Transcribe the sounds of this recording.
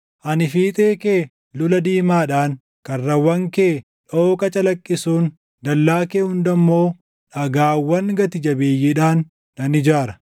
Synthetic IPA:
ʔɐnɪfiːt̪ʼeːkeː | lʊlɐd̪iːmaːᶑaːn | kɐrːɐwɐŋkeː | ᶑoːkʼɐt͡ʃʼɐlɐkʼːɪsuːn | d̪ɐlːaːkeːhʊnd̪ɐmːo̞ː | ᶑɐɡaːwːɐŋɡɐt̪ɪd͡ʒɐbeːjːɪᶑaːnː | ɐnɪd͡ʒaːɾɐ̥

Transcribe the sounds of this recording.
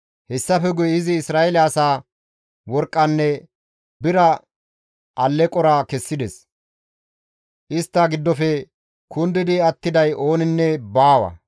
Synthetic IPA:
hɛsːɐfɛɡʊjɪzɪːsɾaːɛlaːsaː | wɔɾkʼːɐnːɛ | bɪɾɐ | ʔɐlːɛkʼɔɾaːkɛsːɪd̪ɛs | ʔɪst̪ːaɡɪd̪ːɔfɛ | kʊnd̪ɪd̪ɪɐt̪ːɪd̪ɐjʔo̞ːnɪnːɛbaːwɐ̰

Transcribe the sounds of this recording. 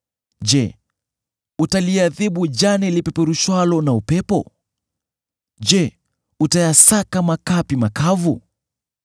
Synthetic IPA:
d͡ʒɛ | utaliaðiɓud͡ʒanɛlipɛpɛɾuʃwalɔnaupɛpɔ̰ | d͡ʒɛ | utajasakamakapimakavu

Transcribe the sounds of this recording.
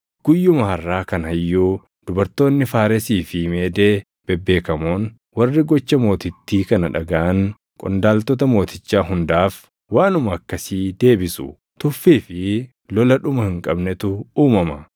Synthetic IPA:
ɡ̥ʊjːʊmɐhɐrːaːkɐnɦɐjːuː | d̪̥ʊbɐɾt̪ːo̞ːnːɪfaːɾɛsiːfɪme̞ːd̪e̞ː | b̥ɛbːe̞ːkɐmoːn | wɐrːɪɡɔt͡ʃːɐmo̞ːt̪ɪt̪ːiːkɐnɐᶑɐɡɐʔɐŋ | kʼɔ̰nd̪aːlt̪ɔt̪̬ɐmo̞ːt̪ɪt͡ʃːaːɦʊnd̪aːf | waːnʊmɐːkːɐsiːd̪e̞ːbɪsʊ̰ | t̪ʊfːiːfɪ | lɔlɐᶑʊmɐhɪŋkʼɐbnɛt̪ʊuːmɐmɐ

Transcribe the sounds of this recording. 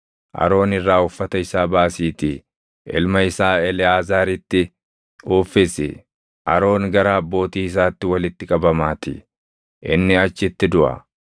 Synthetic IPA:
ʔɐ̰ɾo̞ːnɪrːaːʊfːɐt̪ɐɪsaːbaːsiːt̪ɪ | ɪ̰lmɐɪsaːɛlɪaːzaːɾɪt̪ːɪ | ʊːfːɪsɪ̰ | ʔɐ̰ɾo̞ːŋɡɐɾaːɐbːo̞ːt̪iːɪs̬aːt̪ːɪwɐlɪt̪ːɪkʼɐbɐmaːt̪ɪ̰ | ʔɪnːɪɐt͡ʃːɪt̪ːɪd̪ʊʔɐ̰

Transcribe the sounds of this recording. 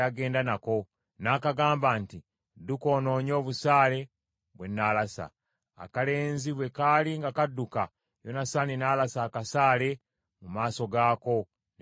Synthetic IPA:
aɡe̞ːndanako̞ | naːkaɡaːmbaːnti | duko̞ːno̞ːɲo̞ːβusaːle̞ | βwe̞nːalasa̰ | a̰kale̞ːnziβwe̞kaliŋɡakadːuka | jo̞nasaninaːlasaːkasaːle̞ | mumaːso̞ɡaːko̞

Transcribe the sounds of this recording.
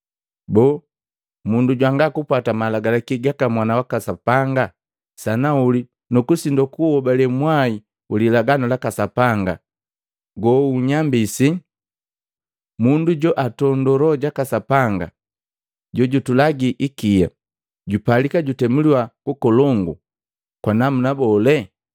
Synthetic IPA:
bɔː | munduɟwaŋɡakupwatamalaɡalakiɡakamwanawakasapaŋɡa | sanauli | nukusindɔkuhɔbalɛmwai | ulilaɡanɔlakasapaŋɡa̰ | ɡɔuɲambisi | munduɟɔʔatɔndɔɾɔɟakasapaŋɡa̰ | ɟɔɟutulaɡiʔikija̰ | ɟupalikaɟutɛmuliwakukɔlɔŋɡṵ | kwanamunabɔlɛ

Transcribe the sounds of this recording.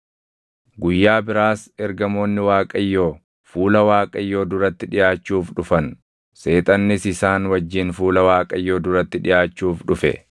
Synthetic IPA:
ɡʊjːaːbɪɾaːsɛɾɡɐmo̞ːnːɪwaːkʼɐjːo̞ː | fuːlɐwaːkʼɐjːo̞ːd̪ʊɾɐt̪ːɪᶑɪjaːt͡ʃːuːfᶑʊfɐn | se̞ːt̪ʼɐnːɪsɪsaːnwɐd͡ʒːɪnfuːlɐwaːkʼɐjːo̞ːd̪ʊɾɐt̪ːɪᶑɪjaːt͡ʃːuːfᶑʊfɛ̰

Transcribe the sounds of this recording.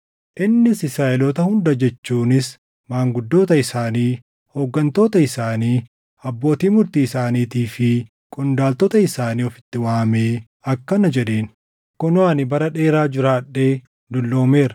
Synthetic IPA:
ʔɪnːɪsɪsaːʔɛlɔt̪ɐhʊnd̪ɐd͡ʒɛt͡ʃːuːnɪs | maːŋɡʊd̪ːo̞ːt̪ɐɪsaːniː | hoɡːɐnt̪o̞ːt̪ɐɪsaːniː | ɐbːo̞ːt̪iːmʊɾt̪iːsaːniːt̪iːfɪ | kʼɔnd̪aːlt̪ɔːt̪ɐɪsaːniːɔfɪ̥t̪ːɪwaːmeː | ɐkːɐnɐd͡ʒɛᶑeːn | kɔnʊɐnɪbɐɾɐᶑe̞ːɾaːd͡ʒɪɾaːᶑːe̞ː | d̪ʊlːo̞ːme̞ːɾɐ

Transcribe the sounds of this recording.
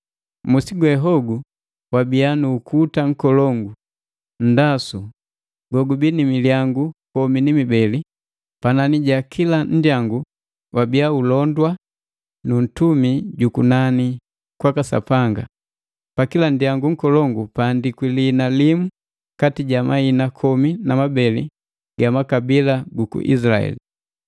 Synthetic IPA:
musiɡwɛɦɔɡu | wabianuːkutaŋ̩kɔlɔŋɡu | n̩dasu | ɡɔɡubinimiljaŋɡukɔminimibɛli | pananiɟakʰilan̩djaŋɡu | wʔabiaulɔndwa | nun̩tumiɟukunani | kwakasa̰paŋɡa̰ | pakilandjaŋɡuŋ̩kɔlɔŋɡupandikwilinalimu | katiɟamainakʰɔminamabɛlḭ | ɡ̥amakabilaɡukṵʔḭslaɛ̰li

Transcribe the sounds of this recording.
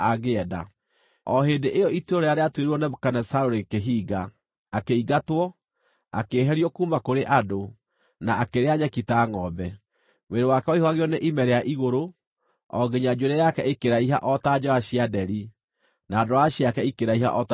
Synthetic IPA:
aɣeɛda̰ | ɔɦedeʔejɔituɔɾeaɾeatweɾeɾwɔnɛkanɛsaɾoɾekeɦiːɡaː | keiɡatwɔ | a̰keɦɛɾiɔkumakoɾeʔado | naakeɾeaɲɛkitaŋɔbɛ | mweɾewakɛɔihwaɣeɔneʔimɛɾɛaʔiɣoɾo | ɔ̰ɡeɲad͡ʒoɾɛjakɛʔekeɾaiɦa̰ʔɔtad͡ʒɔaɕiadɛɾi | naːdoɾaɕjakɛikeɾaiɦa̰ʔɔt

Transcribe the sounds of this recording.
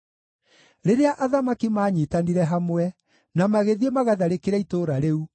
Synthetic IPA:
ɾeɾeaʔaðamakimaːɲiːtaniɾɛɦamwɛ | namaɣeðiemaɣaðaɾekeɾaitoːɾaɾeu

